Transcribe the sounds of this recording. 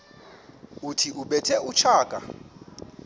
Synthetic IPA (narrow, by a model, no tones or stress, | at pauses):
utʰiʔuɓɛtʰɛut͡ʃʰaːkʼa̰